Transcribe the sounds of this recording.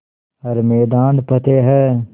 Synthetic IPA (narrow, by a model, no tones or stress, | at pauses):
ɐɾmeːd̪ãːnd̪pɐt̪eɦɛː